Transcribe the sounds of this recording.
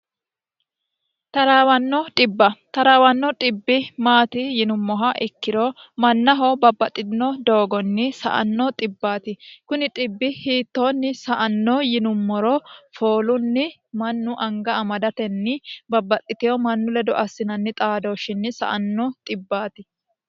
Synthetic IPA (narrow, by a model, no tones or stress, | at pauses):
t̪ɐɾaːwɐnːɔt̪ʼɪbːɐt̪ɐɾaːwɐnːɔt̪ʼɪbːɪmaːt̪ɪjɪnʊmːɔɦɐʔɪkːɪɾomɐnːɐɦɔbɐbːɐt̪ʼːɪnːɔd̪o̞ːɡɔnːɪsɐ̰ʔɐ̰nːɔt̪ʼɪbːaːt̪ɪkʊnɪt̪ʼɪbːɪhiːt̪ːoːnːɪsɐʔɐnːɔjɪnʊmːɔɾɔfoːlʊnːɪ | mɐnːʊʔɐŋɡɐːmɐd̪ɐt̪ɛnːɪbɐbːɐt̪ʼːɪt̪ɪjɔmɐnːʊlɛd̪ɔʔɐsːɪnɐnːɪt̪ʼaːd̪oːʃɪnːɪsɐ̰ʔɐ̰nːɔt̪ʼɪbːaːt̪ɪ